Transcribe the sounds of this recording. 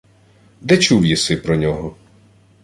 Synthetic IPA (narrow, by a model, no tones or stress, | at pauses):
d̪ɛt͡ʃuwjisɪpɾɔnʲɔɦɔ